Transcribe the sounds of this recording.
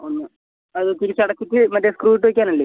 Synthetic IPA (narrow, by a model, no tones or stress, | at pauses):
onːɨ | ɐðɨt̪iɾit͡ɕːɐɽɐkːitːɨmɐtːeskruːiʈ̬ːɨʋɐkʲːaːnɐlːeː